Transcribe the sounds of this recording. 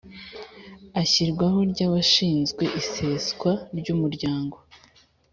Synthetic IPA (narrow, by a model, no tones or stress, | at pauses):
açiɾɡwaɦo̞ɾɟaːβaʃiːnzɡwe̞ʔise̞skwaɾɟuːmuɾɟaːŋɡo̞